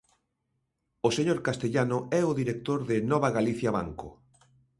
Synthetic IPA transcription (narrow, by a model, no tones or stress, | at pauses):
oseɲoɾkast̪eʎanʊɛʊðiɾek̚t̪oɾðɪnɔβ̞aɣaliθjaβa̰ŋkʊ̰